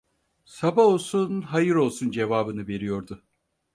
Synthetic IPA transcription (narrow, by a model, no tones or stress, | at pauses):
sabao̞lˠsunɦajɯɾo̞lˠsund͡ʒe̞vaːbɯnɯve̞ɾijo̞ɾd̪ʊ